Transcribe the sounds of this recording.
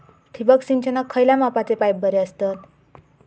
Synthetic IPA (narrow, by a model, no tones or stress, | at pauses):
ʈʰibəksint͡ɕənəkʰːəjlamapat͡sepajb̚bʱəɾeəst̪at̪